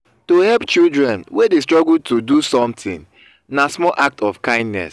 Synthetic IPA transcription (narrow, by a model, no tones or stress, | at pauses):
tohɛpt͡ʃildɹɛ̃nwedestɹɔɡultudusɔ̃mtɪ̃ŋ | nasmɔlʔak̚tɔfkãɪ̃ndnɛ̰s